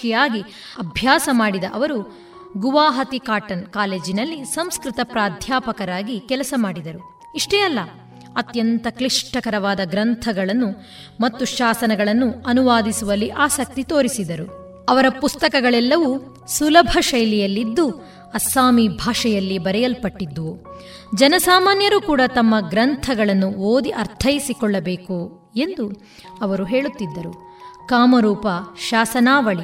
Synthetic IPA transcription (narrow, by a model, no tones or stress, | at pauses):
ijaːɡi | ɐbʱjaːsɐmaːɽid̪ɐʔɐʋɐɾu | ɡuʋaːɦɐt̪ikaːʈɐnkaːle̞ːd͡ʒinɐlːisɐmskɾit̪ɐpɾaːd̪ʱjaːpɐkɐɾaːɡikɛlɐsɐmaːɽid̪ɐɾu | iʂʈɛːjɐlːɐ | ɐt̪jɐnt̪ɐkliʂʈɐkɐɾɐʋaːd̪ɐɡɾɐnt̪ʰɐɡɐɭɐnːu | mɐt̪ːuʃaːsɐnɐɡɐɭɐnːuɐnuʋaːd̪isuʋɐlːiʔaːsɐk̚t̪it̪o̞ːɾisid̪ɐɾu | ɐʋɐɾɐpust̪ɐkɐɡɐɭɛlːɐʋu | sulɐbʱɐʃɐjlɛjɐlːid̪ːu | ɐsaːmibʱaːʂɐjɐlːibɐɾɛjɐlpɐʈːid̪ːu | d͡ʒɐnɐsaːmaːnjɐɾukuːɽɐt̪ɐmːɐɡɾɐnt̪ʰɐɡɐɭɐnːuoːd̪iʔɐɾt̪ʰɐjisikɔɭːɐbeːku | e̞nd̪u | ɐʋɐɾuɦe̞ːɭut̪ːid̪ːɐɾu | kaːmɐɾuːpɐʃaːsɐnaːʋɐɭi